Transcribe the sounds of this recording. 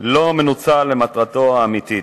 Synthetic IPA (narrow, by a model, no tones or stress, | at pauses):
lo̞menut͡salːemat̪ʁat̪o̞aːmit̪i